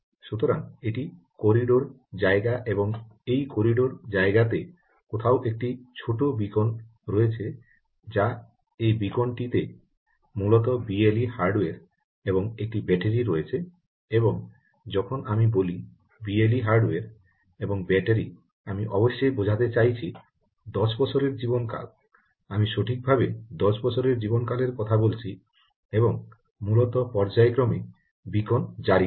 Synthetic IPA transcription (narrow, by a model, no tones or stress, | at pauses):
ʃut̪oɾaŋeʈi | koɾiɖoɾ | d͡ʑaeɡaʔeboŋejkoɾiɖoɾd͡ʑaeɡat̪e | kot̪ʰaoʔek̚ʈit͡ɕʰoʈobikon | ɾoet͡ɕʰe | d͡ʑa | ejbikonʈit̪e | mulɔt̪̬ɔbielihaɾɖweɾ | eboŋek̚ʈibɛʈeɾiɾɔjet͡ɕʰe | eboŋ | d͡ʑɔkʰonamiboli | bieliɦaɾɖeɾ | eboŋbɛʈeɾi | amiʔɔ̰boʃːejbod͡ʑʱat̪et͡ɕajt͡ɕʰi | d̪ɔʃbɔt͡ɕʰoɾeɾd͡ʑibonka̰l | amiʃoʈʰik̚bʱabed̪ɔʃbɔt͡ɕʰoɾeɾd͡ʑibonkaleɾkɔt̪ʰabolt͡ɕʰi | eboŋ | mulɔt̪ɔpɔɾd͡ʑaekɾɔme | bikond͡ʑaɾi